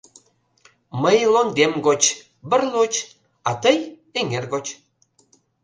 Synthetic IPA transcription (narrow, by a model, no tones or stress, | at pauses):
məjlond̪emɡot͡ɕ | bə̆rlut͡ɕ | ɑt̪əj | eŋerɣot͡ɕ